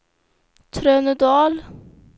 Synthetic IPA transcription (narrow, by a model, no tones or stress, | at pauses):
t̪ʰɾœːnəd̪ɑːl